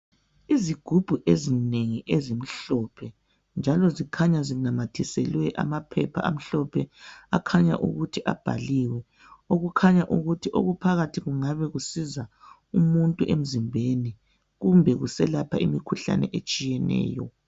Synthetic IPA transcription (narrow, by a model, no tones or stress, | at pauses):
iziɡ̥ʱub̥ʱuʔezineŋiʔezim̩ɬɔpʰɛ | nd͡ʒʱalɔzikʰaɲazinamatʰisɛlwɛʔa̰mapʰɛpʰa̰a̰m̩ɬɔpʰɛakʰaɲa̰ʔṵɣutʰiʔa̰b̥ʱa̰liwɛ | oɣukʰaɲaʔuɣutʰiʔo̰ɣupʰaɣatʰiɣuŋaβɛɣusiza | umuntʼuʔem̩zimbʱeni | ɣumbʱɛɣusɛlapʰaimikʰuɬa̰nɛ̰ʔet͡ʃʼijɛnɛ̰ːjɔ̰